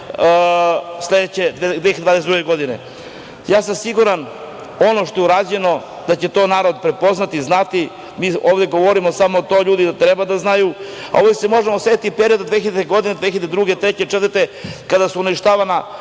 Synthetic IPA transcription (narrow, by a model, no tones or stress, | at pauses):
sle̞d̪et͡ɕed̪ed̪veçed̪vad̪es̬ed̪ɾuɡeɡo̞d̪inḛ | jaːsamsiɡuɾan | o̞no̞ʃt̪o̞juɾaːd͡ʑeno̞ | d̪at͡ɕe̞t̪o̞naːɾod̪̚pɾe̞po̞znat̪iznat̪i | miːoːʋd̪e̞ɡo̞ʋoɾimo̞samoːt̪o̞ːʎuːd̪id̪at̪ɾebad̪aznaju | a̰oʋoesemo̞ʒemosʋe̞t̪it̪ipeɾio̞d̪ad̪ʋexiʎd̪eɡo̞d̪ined̪ʋeːçiʎed̪ed̪ɾuɡet̪ɾet͡ɕet͡ʃt̪əɾt̪ekad̪asuuniʃt̪aːʋana